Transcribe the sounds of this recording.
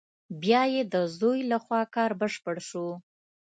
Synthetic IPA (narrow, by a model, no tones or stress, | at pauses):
bjɑjed̪əzojlaxwɑkɑɾbəʂpəɽʃu